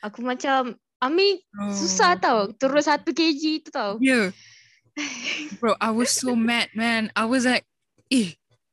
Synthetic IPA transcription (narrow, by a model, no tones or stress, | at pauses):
akumat͡ʃam | amĩnosusaht̪awt̪əɾʊt̪̚sat̪uked͡ʒit̪ut̪awja | boʔaɪwɔz̥somɛt̚mɛ̃naɪwɔzlaɪk̚ | e